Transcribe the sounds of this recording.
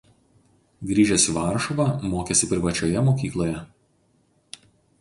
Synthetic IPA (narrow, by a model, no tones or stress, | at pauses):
ɡɾʲiːʒʲɛsʲiʋɑːˑɾʃɔʋɑmoːkʲeːsʲɪpʲɾʲɪʋɐt͡ʃʲojɛmoːkʲiːklˠoːjɛ